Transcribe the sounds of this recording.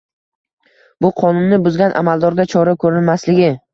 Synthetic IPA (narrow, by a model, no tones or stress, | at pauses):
bʊqʰɒnʊnːɪbʊzɡʲanʔa̰malˠd̪ɒɾɡʲat͡ʃʰɒɾakʰɵɾɪnmaslɪɡʲɪ